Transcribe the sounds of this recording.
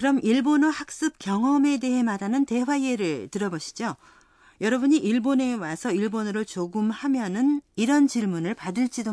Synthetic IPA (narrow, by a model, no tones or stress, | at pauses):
kɯɾʌmiɭbonohak̚s͈ɯp̚kjʌŋʌme̞de̞ɦe̞maɾanɯnte̞ɦwaieɾɯɭtɯɾʌboɕʰi̥d͡ʑo | jʌɾʌbuɲiʔiɭbone̞wasʰʌiɭbonɯɾɯɭt͡ɕoɡɯmhamjʌnɯniɾʌnt͡ɕiɭmunɯɭpadɯɭt͡ɕ͈ʰido